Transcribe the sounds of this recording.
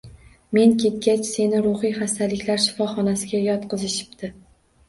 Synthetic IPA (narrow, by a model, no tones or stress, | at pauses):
me̞ŋkʲʰe̞t̪̚ɡʲat͡ʃse̞nɪɾʊχijχast̪ʰalɪkʲʰlaɾʃɪ̥fɒχɒnasɪɡʲajɒt̪qɨzɪʃɪ̥p̚d̪ɪ